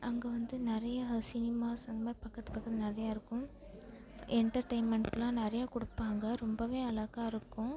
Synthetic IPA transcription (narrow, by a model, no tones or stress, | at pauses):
ʔɐŋɡɐʋɐnd̪ɯnɪɾɐjɐsɪnɪmaːsɐnd̪ɐmaːɾpɐkːɐt̪ːɯ̥pɐkːɐðnɪɾɐjaːɪɾɯkːʊ̃m | ɛɳʈɐɾʈɐɪnmɛɳʈlãːnɪɾɐjaːkʊɽɯpːaːŋɡɐɾɔmbɐʋeːɐlɐɣaːɪɾɯkːʊ̃